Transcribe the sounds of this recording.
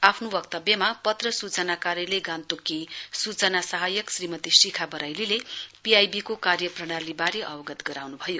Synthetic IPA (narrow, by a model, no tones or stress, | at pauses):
apʰnobʌk̚t̪ʌbjʌmapʌt̪rʌsut͡sʌnakaɾjʌleɡant̪ukisut͡sʌnasʌɦajʌksrimʌt̪isikʰabʌɾajlilepiajbikokarjʌprʌɽ̃alibaɾeʔʌwʌɡʌt̪ɡʌɾawnubʱʌjo